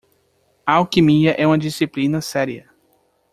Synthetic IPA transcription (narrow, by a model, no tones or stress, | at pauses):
ɐawkimiɐʔɛũmɐd͡ʒisiplĩnɐsɛɾiɐ